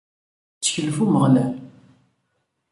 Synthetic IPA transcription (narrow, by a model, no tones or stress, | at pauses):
t͡sːçəlfuməʁlæ